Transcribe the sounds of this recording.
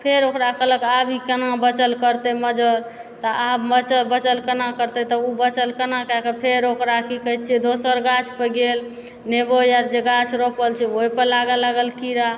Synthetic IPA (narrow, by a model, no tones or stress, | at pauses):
pʰeɾokɾakələkabikənabət͡ʃəlkəɾt̪ɛməd͡ʒəɾ | t̪ɔʔabmət͡ʃəlbət͡ʃəlkənakəɾt̪ɛt̪ɔubət͡ʃəlkənakɛkəpʰeɾokɾakikəɦit͡ʃʰiɛd̪osəɾɡat͡ʃʰpəɡel | nebojaɾd͡ʒeɡat͡ʃʰɾopəlt͡ʃʰɛoipəɾlaɡəlaɡəlkiɾa